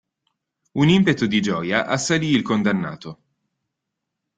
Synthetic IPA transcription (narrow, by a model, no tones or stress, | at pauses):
unimpet̪od̪id͡ʒɔːjaʔasːaliːlkond̪anːa̰ːt̪o